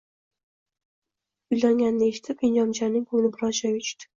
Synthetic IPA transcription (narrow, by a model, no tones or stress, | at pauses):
ʊjlaŋɡʲanːɪeʃɪ̥t̪ʰɪpind͡ʒɒmt͡ʃaɾnɪŋkʰɵŋlɪbɪɾɒzd͡ʒɒjɵt͡ʃt̪ɪ̥